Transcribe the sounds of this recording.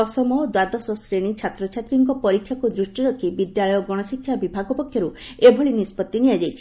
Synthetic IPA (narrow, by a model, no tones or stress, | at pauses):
ɔsɔmɔd̪wad̪ɔsɔsɾeɽ̃it͡ʃʰat̪ɾɔt͡ʃʰat̪ɾiŋkɔpɔɾikʰːjakud̪ɾusʈiɾɔkʰibid̪jaɭɔjɔɡɔɽ̃ɔsikʰːjabibʱaɡɔpɔkʰjɔɾu | ebʱɔɭinispɔt̪ːinijad͡ʒajt͡ʃʰi̥